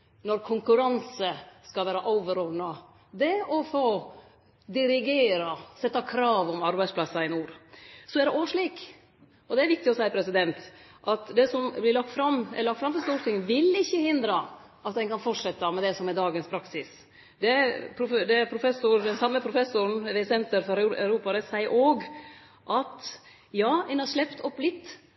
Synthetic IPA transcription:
nɔɾkʰʊŋkʉɾɑnsəskɑlʋæːɾəʔɔʊʋəɾɔʋnɑ | d̪ɛɔfoː | d̪ɪɾɪɡeːɾɑsɛt̪ːɑkʰɾɑːʋɔmɑɾbæɪspʰlɑsːɑɪnuːɾsɔæɾɖɛʔoːʂɭiːk | ɔd̪ɛæɾʋɪk̚t̪ɪɔsæɪpʰɾɛsɪd̪ɛnt̪ | ʔɑt̪d̪ɛsɔmblɪɾɭɑkt̪fɾɑmɛləlɑk̚t̪fɾɑmfɔɾst̪uːɾt̪ɪŋːənʋɪlɪçːəhɪnd̪ɾɑ | ʔɑt̪̚d̪ɛnkɑnfɔʈʂɛt̪ːɑmɛd̪ɛsɔmɛɾd̪ɑːɡənspʰɾɑksɪs | d̪ɛpʰɾʊd̪ɛpʰɾʊfɛsʊɾd̪ɛnsɑmːəpʰɾʊfɛsʊɾnʋɛɪsɛnt̪əɾfɔɾœ̰ʉɾuːpɑɾəsæɪəɾʔoːɡ | ʔɑt̪ | jɑːɛnhɑɾʂlɛpt̪ʰɔpːlɪt̪ː

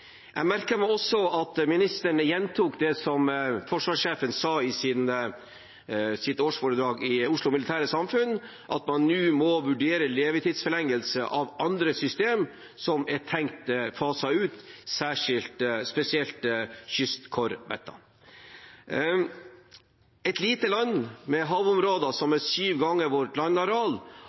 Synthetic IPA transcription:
jæmæɾkəmɛɔsɔɑt̪mɪnɪst̪əɳəjɛnt̪ʰuːkd̪ɛsɔmfɔʂʋɑːʂeːfənsɑːɪsɪn | sɪt̪oːʂfoːɾəd̪ɾɑːɡɪʊʂlʊmɪlɪt̪ʰæːɾəsɑmfʉn | ʔɑ̰t̪mɑnːʉːmɔʋʉɖeːɾəleːʋət̪iːd̪sfɔlɛŋːəlsəʔɑʋɑnd̪ɾəsʏst̪eːm | sɔmɛtʰɛŋkt̪fɑːsɑʉːt̪sæːʂɪlt̪spɛsɪɛlt̪çʏst̪kʰɔɾʋɛ̰t̪ːɑ̰ | ɛt̪liːt̪əlɑnːmɛɦɑːʋʊmɾoːd̪ɑsɔmɛsyːʋɡɑŋːəɾʋɔʈlɑnːɑɾɑːl

